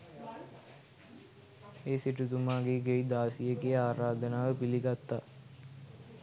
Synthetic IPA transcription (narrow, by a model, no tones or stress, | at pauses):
eːsiʈut̪umaːɡeɡeid̪aːsijəɡejaːɾaːd̪ənaːʋəpiliɡat̪ːa